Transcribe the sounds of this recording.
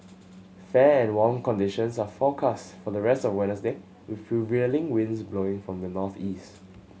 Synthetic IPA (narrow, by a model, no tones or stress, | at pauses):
fɛɛ̃nwɔ̃mkɔ̃ndiʃə̃nsafɔkʰastfɔdəɹɛstɔfwɛ̃nəsde | wɪθfuvilɪ̃ŋwɪ̃ndsbloɪ̃ŋfɹɔ̃mdənɔθist